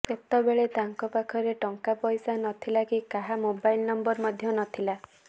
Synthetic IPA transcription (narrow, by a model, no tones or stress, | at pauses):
et̪ɔbeɭet̪aŋkɔpakʰɔɾeʈɔŋkapɔjsanɔt̪ʰilakikaɦamobajlnɔmbɔɾmɔd̪ʱjɔnɔt̪ʰila